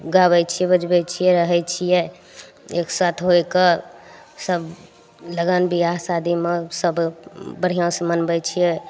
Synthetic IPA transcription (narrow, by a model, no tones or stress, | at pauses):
ɡabɛt͡ʃʰijɛbəd͡ʒbɛt͡ʃʰijɛɾəɦɛt͡ʃʰijɛ | eksat̪ʰɦojkə | səb | ləɡanbiasad̪imesəbbəɽ̤ijãsəmənbɛt͡ʃʰijɛ